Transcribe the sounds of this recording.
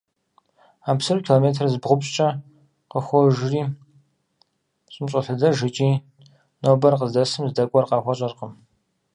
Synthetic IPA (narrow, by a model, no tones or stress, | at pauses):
aːpsɨɾkʲʰiloːmeːtʰrzbʁʷʊpɕt͡ʃʼɐ | qəxʷɔʒriː | ɕʼɪmɕʼɐɬɨdɐʒɪt͡ʃʼiː | nobɐrqəzdɐsɨmzdɐkʷʼɔrqɑːxʷɔɕʼɐrqəm